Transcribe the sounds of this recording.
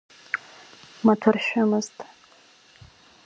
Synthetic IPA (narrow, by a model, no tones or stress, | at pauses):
matʰʊrʃᶣamɨztʼ